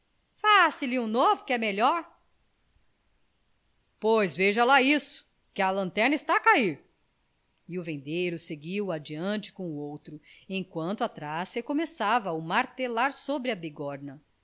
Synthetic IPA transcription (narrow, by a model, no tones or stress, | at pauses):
fasɪlɪũnovʊkɪɛmeʎɔɾ | pojzveʒɐlaisʊ̥ | kɪɐlɐ̃nt̪ɛɾnɐist̪akaiɾ | ɪʊvẽnd̪ejɾʊseɡiwad͡ʒiɐ̃nt͡ʃɪ̥kõuowt̪ɾʊẽj̃kwɐ̃nt̪ʊat̪ɾasɐkomesavɐʊmaɾt̪elaɾsobɾɪɐbiɡɔɾnɐ